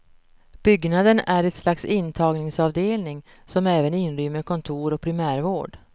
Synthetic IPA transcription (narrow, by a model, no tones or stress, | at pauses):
b̥ʏɡnad̪ənæɾɛt̪slaksɪnt̪ʰɑːɡnɪŋsɑvd̪eːlnɪŋ | sɔmɛːvənɪnɾʏːməɾkʰɔnt̪ʰuːɾɔk̚pʰɾɪmæːɾvoːɖ